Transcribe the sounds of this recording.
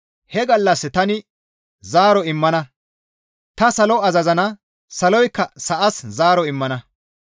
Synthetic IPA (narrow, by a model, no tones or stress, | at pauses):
hɛɡɐlːɐsːt̪ɐnɪ | zaːɾɔɪmːɐnɐ | t̪ɐsɐlɔɐzɐzɐnɐ | sɐlɔjkːɐsɐʔɐszaːɾɔɪmːɐnɐ